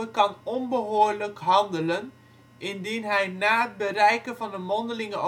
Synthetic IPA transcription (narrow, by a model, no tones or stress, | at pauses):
əkɑnɔnbəɦoːrləkɦɑndələn | ʔɪndinɦɛjnaːət̚bərɛjkəvɑndəmɔndəlɪŋəʔo